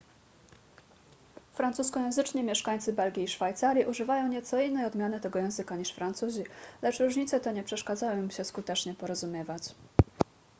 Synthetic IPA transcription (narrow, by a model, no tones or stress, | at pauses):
fɾansuskɔjɛ̃w̃zɘt͡ʂɲimʲjɛʂkaɲʲt̪sɘbɛlɡʲiːʂfajt̪saɾʲjiʔuʐɘvajɔ̃w̃ɲɛt̪sɔinːɛjɔd̪mʲjanɘt̪ɛɡɔjɛ̃w̃zɘkaɲiʂfɾant̪suʑilɛt͡ʂɾuʐɲit̪sɛt̪ɛɲɛpʂɛʂkad̪zaj̃ɔ̃mɕɛskut̪ɛt͡ʂɲɛpɔɾɔzumʲjɛvat͡ɕ